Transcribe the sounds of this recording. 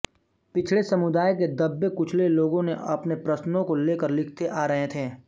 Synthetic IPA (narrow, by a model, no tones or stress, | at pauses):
pɪt͡ʃʰlesɐmʊd̪aːjked̪ɐbːekʊt͡ʃʰleloːɡõneʔɐpnepɾɐsnõkoleːkəɾlɪkʰt̪eʔaːɾɐɦẽt̪ʰẽː